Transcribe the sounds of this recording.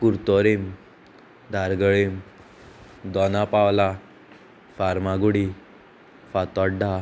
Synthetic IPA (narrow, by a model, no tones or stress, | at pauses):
kuɾt̪ɔɾem | d̪ʱaɾɡəɭem | d̪ɔnapawla | faɾmaɡuɽi | fat̪ɔɖa